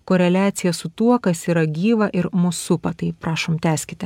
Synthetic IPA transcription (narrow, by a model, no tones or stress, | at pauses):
koːɾʲɛlʲɑːt̪sʲɪjɛsʊt̪uɔkɐsiːɾɐɡʲiːʋɐʔɪɾmʊsʊpɐt̪ɐɪpɾɑːʃoːmt̪ʲæːsʲkʲɪt̪ʲɪ